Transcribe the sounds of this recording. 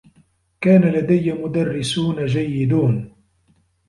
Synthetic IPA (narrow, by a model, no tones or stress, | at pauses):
kaːnalad̪ajːamʊd̪arːɪsuːnad͡ʒajːɪd̪uːn